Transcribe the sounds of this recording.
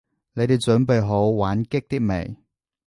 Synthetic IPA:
ne˨˧jt̪e˨jt͡ʃɵ˨˥npe˨jɦo˨˥wwaː˨˥nkɪ˥k̚t̪iː˥k̚mḛ˨˩j

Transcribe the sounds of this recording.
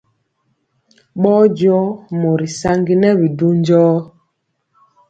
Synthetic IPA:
ɓɔː˦d͡ʒɔ˦mo˨ɾi˨sa˦ŋɡi˦nɛ˦βi˨du˦nd͡ʒɔː˦

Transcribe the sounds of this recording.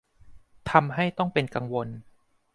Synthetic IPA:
t̪ʰa˧mɦa˥˩jt̪ɔ˥˩ŋpe˧nka˧ŋwo˧n

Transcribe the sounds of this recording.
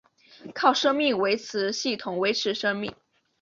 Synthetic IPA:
kʰɑ˥˩ʊʂɤ˥ŋmi˥˩ŋwe˧˥ɪt͡sʰɹ̩˧˥ɕi˥˩t̪ʰʊ˨˩ŋwe˧˥ɪʈ͡ʂʰɻ̩˧˥ʂɤ˥ŋmi˥˩ŋ

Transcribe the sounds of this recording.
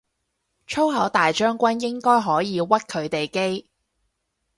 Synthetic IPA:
t͡ʃʰo˥wɦɐ˨˥wt̪aː˨jt͡ʃœː˥ŋkʷɐ˥njɪ˥ŋkɔː˥jɦɔː˨˥jiː˨˧wɐ˥t̚kʰɵ˨˧ɥt̪e˨jke˥j

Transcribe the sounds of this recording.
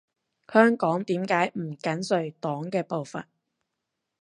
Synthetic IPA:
hœː˥ŋkɔː˨˥ŋt̪iː˨˥mkaː˨˥jm̩˨˩kɐ˨˥nsɵ˨˩ɥt̪ɔː˨˥ŋkɛː˧po˨wfɐ̰˨n

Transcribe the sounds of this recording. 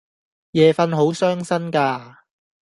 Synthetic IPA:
jɛː˨fɐ˧nɦo˨˥wsœː˥ŋsɐ˥nkaː˧

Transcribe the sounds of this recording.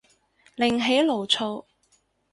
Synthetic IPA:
lɪ˨˩ŋɦe˨˥jlo˨˩wt͡sʰo˨˧w

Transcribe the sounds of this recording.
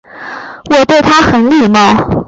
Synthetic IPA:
wɔ˨˩t̪we˥˩ɪt̪ʰa˥xə˨˩nli˥˩mə˧

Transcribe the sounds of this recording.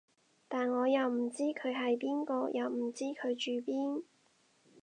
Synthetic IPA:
t̪aː˨nŋɔː˨˧jɐ˨˩wm̩˨˩t͡siː˥kʰɵ˨˧ɥɦɐ˨jpiː˥nkɔː˧jʔɐ˨wm̩˨˩t͡siː˥kʰɵ˨˧ɥt͡ʃyː˨piː˥n

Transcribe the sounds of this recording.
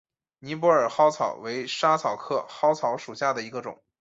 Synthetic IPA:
ni˧˥p̬wɔ˧˥ə˞˨˩xɑ˥ʊt͡sʰɑ˨˩ʊwe˧˥ɪʂa˥t͡sʰɑ˨˩ʊkʰɤ˥xɑ˥ʊt͡sʰɑ˧˥ʊʂu˨˩ɕja˥˩d̪ə˩i˧˥ɡə˧ʈ͡ʂʊ̰˨˩˦

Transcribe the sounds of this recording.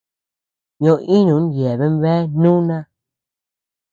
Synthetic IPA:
ɲõ˧˦ʔĩ˦nũ˨˦n˨je˨βe˦m˦βe˦nũ˦nã˦

